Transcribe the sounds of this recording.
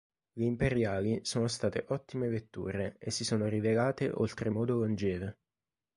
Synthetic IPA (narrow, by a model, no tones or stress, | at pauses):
leimpeɾjaːlisoːnost̪aːt̪eʔɔt̪ːimevet̪ːṵːɾeesːisoːnoɾivelaːt̪eʔo̰lt̪ɾemɔːd̪olond͡ʒeːve